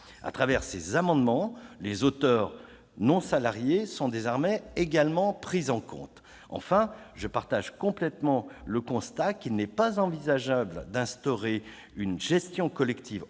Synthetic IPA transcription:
a̰t̪χavɛʁsḛzamɑ̃d̪mɑ̃lezot̪œʁ | nɔ̃salaʁjesɔ̃d̪ezɔʁmɛeɡalmɑ̃pχizɑ̃kɔ̰̃t̪ | ɑ̰̃fɛ̃ | ʒəpaʁt̪aʒkɔ̃plɛt̪mɑ̃ləkɔ̃st̪akilnɛpazɑ̃vizaʒabld̪ɛ̃st̪ɔʁe | ynʒɛst̪jɔ̃kɔlɛkt̪ʰiv

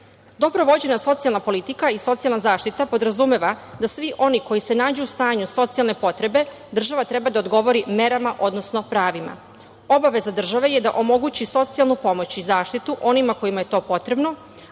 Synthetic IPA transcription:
d̪o̞bɾoʋo̞d͡ʑenaso̞t̪sijalˠnapo̞lit̪ikaiso̞t̪sijalnazaːʃt̪it̪apo̞d̪ɾazume̞ʋad̪asʋiʔo̞niko̞jise̞naːd͡ʑeust̪aːɲuso̞t̪sialˠne̞po̞t̪ɾe̞be̞ | d̪r̩ʒaʋat̪ɾɛbad̪aod̪ɡo̞ʋo̞ɾime̞ɾamaʔo̞d̪nosno̞pɾaːʋima̰ | o̞baʋe̞zad̪r̩ʒaʋe̞jed̪a̰ʔo̞mo̞ɡut͡ɕiso̞t̪sialˠnupo̞mo̞t͡ɕizaːʃt̪it̪uʔo̞nimako̞jimaje̞t̪o̞ːpo̞t̪ɾe̞bno̞

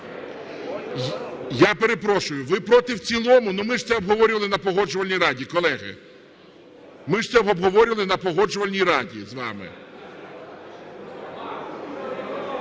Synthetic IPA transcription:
jɑpeɾe̞pɾɔʃʊjʊʋɪpɾɔt̪ɪwt͡sʲilˠɔmʊnʊmɪʂt̪sɛɔbɦɔʋɔɾʲʊʋɐlˠɪnɐpɔɦɔd͡ʒʊʋɐlʲnʲijɾɑdʲikɔlˠɛɦɪ̰ | mɪʂt̪sɛbɔbɦɔʋɔɾʲɪʋɐlˠɪnɐpɔɦɔd͡ʒʊʋɐlʲnʲijɾɑdʲḭzʋɑ̰mɪ̰

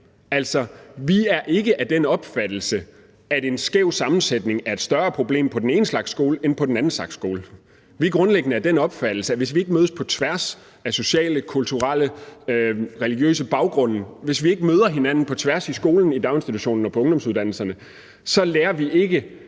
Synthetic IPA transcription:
æl̰sɒ̽ʋiæɐʔe̝ɡ̥əʔæd̥enɒ̽b̥fæd̥l̩sə | ædensɡ̥eʊ̰sɑ̈mn̩sed̥ne̝ŋæɐe̝d̥sd̥ɶɐːpʰʁo̝b̥le̝̰ːmpʰɒ̽d̥en̩e̝ːnəslɑ̈ɡ̥sɡ̥o̝ːləenpʰɒ̽d̥n̩ænn̩slɑ̈ɡ̥sɡ̥o̝ːlə | ʋiɡ̥ʁɔ̽nleɡ̥nəæd̥enɒ̽b̥fæd̥l̩səæʋe̝sʋie̝ɡəmøːðˠspʰɒ̽t͡sʰʋæɐs | æso̝ɕɛ̰ːləkʰult͡sʰuʁɑlə | ʁɛliɡ̥jø̰ːsəb̥ɑ̈ʊɡ̥ʁɔ̽n̰̩ʋe̝sʋie̝ɡ̥əmøːð̞ˠɐɦe̝næn̰n̩pʰɒ̽t͡sʰʋæɐsisɡ̥o̝ːln̩id̥ɑ̈ʊe̝nsd̥it͡sʰuɕo̝̰ːn̩ɒ̽pʰɒ̽ɔ̽ŋd̥ɒ̽msuðˠdænl̩sɐnə | sɒ̽leːɐʋiʔe̝ɡ̥ə

